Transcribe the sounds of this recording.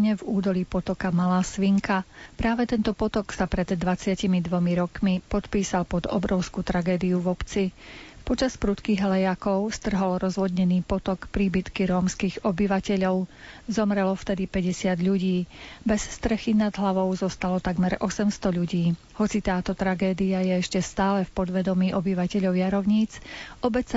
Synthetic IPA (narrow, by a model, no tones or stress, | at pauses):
ɲɛvuːd̪ɔliːpɔt̪ɔkamalaːsʋiŋkapɾaːʋɛt̪ɛnt̪ɔpɔt̪ɔksapɾɛd̪ːʋat͡sɪacimid̪ʋɔmiɾɔkmipɔt̪piːsalpɔd̪ɔ̰bɾɔʊskut̪ɾaɡɛːd̪iuvɔpt͡sipɔt͡ʃaspɾut̪kiɣɦlɛjakɔʊst̪r̩ɦɔlɾɔzʋɔd̪ɲɛniːpɔt̪ɔkpɾiːbit̪kiɾɔːmskiːɣɔbiʋacɛʎɔʊzɔmɾɛlɔft̪ɛd̪ipɛɟɛsɪad̪ʎuɟiːbɛsst̪ɾɛxinad̪ɦlaʋɔʊzɔst̪alɔt̪aɡmɛɾɔsɛmst̪ɔʎuɟiː | hɔt͡sit̪aːt̪ɔt̪ɾaɡɛːd̪iajɛɛʃcɛst̪aːlɛfpɔd̪ʋɛd̪ɔmiːʔɔbiʋacɛʎɔʊjaɾɔʊɲiːt͡sʔɔbɛt͡s